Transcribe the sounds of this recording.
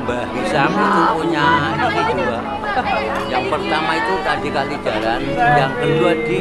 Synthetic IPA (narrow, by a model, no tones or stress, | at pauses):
baɦisamaaʔuɲadisit̪ua | jaŋpərt̪amait̪ut̪adikalid͡ʒ̥aɾanjaŋkəduad̥i